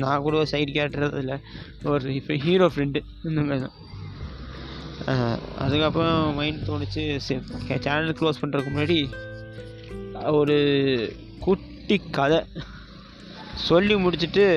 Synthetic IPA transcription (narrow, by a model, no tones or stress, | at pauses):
nãːkuːɽɐɐsɐɪʈkeːʈːɾɐðɐ̰ðɪlːɐ | ɔɾɯɪpːɦiːɾoːfɾɛɳɖ | nːɯŋɡɐðã̰ː | ɐ̰ðɯkːɐpːɾõmɐɪnt̪oːɳɯt͡ʃːɯsɛkt͡ʃaːnɐlkloːspɐɳːɪɾɯkːɯmʊnːaːɽi | ɔɾɯ | kʊʈːikːɐðɛ | sɔlːimʊɽɪt͡ʃːɯʈːɯ